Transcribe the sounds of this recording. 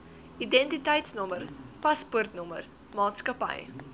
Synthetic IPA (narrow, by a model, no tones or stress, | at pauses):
ʔidɛntitɐjtsnɔmərpɐspuərtnɔmə̰r | mɑːtskəpɐ̰j